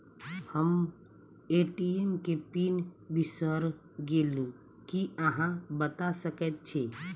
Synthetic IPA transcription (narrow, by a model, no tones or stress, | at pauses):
həm | eʈiemkepinbisəɾ | ɡelu | kiəɦãbət̪asəkɛt̪̚t͡ʃʰɛ